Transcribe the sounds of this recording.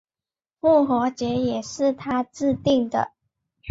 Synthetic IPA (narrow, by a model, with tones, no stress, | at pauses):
mu˥˩xɔ˧˥t͡ɕjɛ˧˥jɛ˨˩ʂɻ̩˥˩t̪ʰa˥t͡sɹ̩˥˧t̪i˥˩ŋd̪ə̰˩